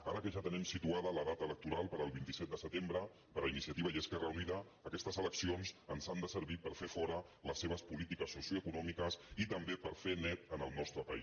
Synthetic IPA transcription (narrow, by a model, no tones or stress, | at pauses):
a̰ɾəkəʒat̪ənimsit̪uaðələðat̪ələk̚t̪uɾalˠpəɾəːlˠβint̪isɛt̪d̪əsət̪embɾə | pəɾəinisiət̪iβəiəskɛrəuniðəːkɛst̪əzələksionzənzand̪əsəɾβipəɾfefɔɾə | ləsːeβəspulit̪ikəsːusjuəkunɔmikəsit̪əmbepəɾfenɛt̪ənəlˠnɔst̪ɾəpəis